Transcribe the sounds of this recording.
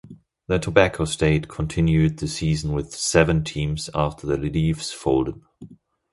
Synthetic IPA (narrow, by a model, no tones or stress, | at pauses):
ðɨtʰəbækʰoʊsteɪt̚kʰə̃ntʰɪ̃njʉd̪̚ðɨsizn̩wɪð̥sɛvə̃ntʰĩmz̥æftʰə˞ðɨɹɪlifsfoʊlˠdəd̥̚